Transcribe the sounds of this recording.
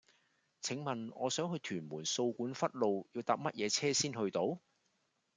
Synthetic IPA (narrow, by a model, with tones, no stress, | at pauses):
t͡sʰɪ˨˥ŋmɐ˨nɔː˨˧sœː˨˥ŋɦɵ˧ɥt̪ʰyː˨˩nmuː˨˩nso˧wkuː˨˥nfɐ˥t̚lo˨˧wjiː˧wt̪aː˨˧p̚mɐ˥t̚jʔɛː˨˧t͡sʰɛː˥siː˥nhɵ˧ɥt̪o˨˥w